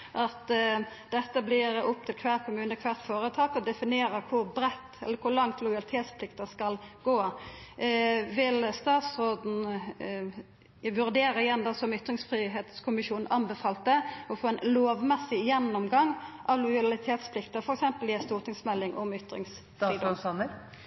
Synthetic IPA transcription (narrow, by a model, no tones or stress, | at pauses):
ʔɑt̪d̪ɛt̪ːəblɪɾɔp̚t̪ʰɪlkʰʋæːʁkʰʊmʉːnəkʰʋæʁt̪foːɾət̪ʰɑːkɔd̪ɛfɪneːɾəkʰʊɾbɾɛt̪ːɛ̰lːəkʰʊʁlɑŋt̪lʊɪɑlɪt̪ʰeːt̪spʰlɪkt̪əskɑlɡ̥oː | ʋɪlst̪ɑːt̪sʁoːd̪n̩ | ʋʉɾd̪eːɾəjɛnd̪ɑsɔmʏt̪ɾɪŋsfɾiɦeːt̪skʰʊmɪʃuːn̩ɑnbɛfɑːlt̪̚d̪ɛɔfoːɛnloːʋmɛsːɪjɛnːɔmɡɑŋːʔɑʋlʊɪɑlɪt̪ʰeːt̪spʰlɪkt̪əfɔɾɛksɛmpəljɪæst̪uːʁt̪ʰɪŋsmɛlːɪŋʔɔmʏt̪ɾɪ̰ŋs | fʁiːd̪sɔnə